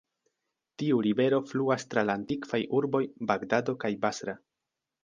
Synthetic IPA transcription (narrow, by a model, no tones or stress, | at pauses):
tiuɾibe̞ɾo̞fluastɾalaːntikvajʔuɾbo̞jbaɡdado̞kajbasɾa